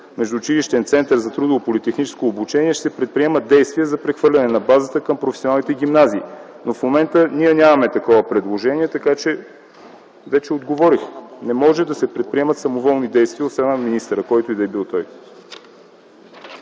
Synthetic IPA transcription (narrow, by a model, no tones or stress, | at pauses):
mɛʒd̪uːt͡ʃiliʃt̪ɛnt̪sɛnt̪əɾzɐt̪ɾud̪oopolit̪ɛxnit͡ʃɛ̥skoːbut͡ʃɛniɛʃt̪ɛpɾɛt̪̚pɾiɛməd̪ɛjst̪viɛzɐpɾɛxvɤɾlʲɐnɛnɐbazət̪əkɐmpɾofɛsʲonalˠnit̪ɛɡʲimnaziː | nofmomɛnt̪əniɛnʲamɐmɛt̪ɐkɔvəpɾɛd̪lˠoʒɛniɛt̪ɐkat͡ʃɛ | vɛt͡ʃɛod̪ɡovɔɾixnɛmɔʒɛd̪ɐsɛpɾɛt̪̚pɾiɛmɐt̪sɐmovɔlˠnid̪ɛjst̪viəot̪snaminist̪əɾəkɔjt̪ʊid̪ɐɛbilˠt̪ɔj